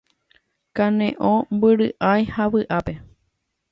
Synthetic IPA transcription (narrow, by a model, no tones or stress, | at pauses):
kãnḛ̃ʔõmbɨɾɨʔãjhaʋɨʔape̞